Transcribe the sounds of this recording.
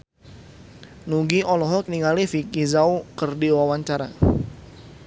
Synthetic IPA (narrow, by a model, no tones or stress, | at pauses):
nuɡiɔlɔɦɔk̚niŋalifikizaukərdiwawaɲt͡ʃaɾa̰